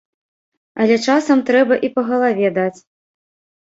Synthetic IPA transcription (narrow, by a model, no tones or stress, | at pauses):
ɐlʲɛt͡ʂasɐmt̪ɾɛbɐʔipɐɣɐlˠavʲɛd̪at͡sʲ